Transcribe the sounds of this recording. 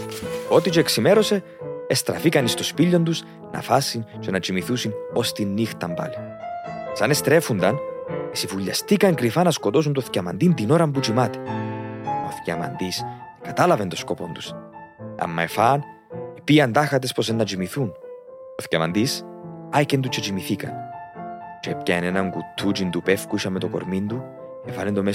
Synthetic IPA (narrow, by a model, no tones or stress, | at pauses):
o̞t̪it͡ʃoeksime̞ɾo̞se̞ː | st̪ɾɐ̰fikɐnist̪o̞spiʎːo̞nd̪us | nɐ̰fɐsːint͡ʃenɐt͡ʃimiθusino̞st̪inːixt̪ɐmbɐ̰li | sɐne̞st̪ɾe̞fund̪ɐnesivuʎːɐ̰st̪ikɐŋkɾifɐnɐsko̞t̪o̞s̬unt̪oθcɐmɐ̰nd̪int̪ino̞ɾɐmbut͡ʃimɐt̪i̥ | o̰θcɐ̰mɐ̰nd̪iskɐt̪ɐlɐvent̪o̞sko̞po̞nd̪us | ɐ̰mːɐefɐn | ipiɐnd̪ɐxɐt̪̬espos̬enːɐt͡ʃimiθunoθcɐmɐ̰nd̪isɐcend̪ut͡ʃet͡ʃimiθikɐ̰n | t͡ʃepcɐenenɐŋɡut̪ʰːut͡ʃind̪upefkuisɐmːet̪oko̰ɾmind̪u | efɐlend̪ome